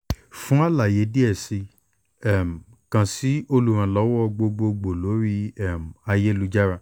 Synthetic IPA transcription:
fũ˦a˦la˨je˨˦di˦ɛ˦˨si˧ | ɛ˦˨m˨ | kã˨si˨˦o˧lu˦˨ɾ̃ã˨lɔ˨˦wɔ˦˧ɡ͡bo˧ɡ͡bo˧ɡ͡bo˨lo˨˦ɾi˦ɛ˦˨m̩˨a˧je˦lu˧d͡ʒa˦ɾa˧

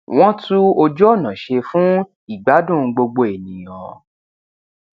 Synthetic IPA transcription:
w̃ɔ̃˦tu˦ɔ˧d͡ʒɔ˦˨nã˨ʃe˧fũ˦ | i˦˨ɡ͡ba˨˦dũ˦˨˧ɡ͡bo˧ɡ͡bo˧e˨nĩ˨j̃ɔ̃˨

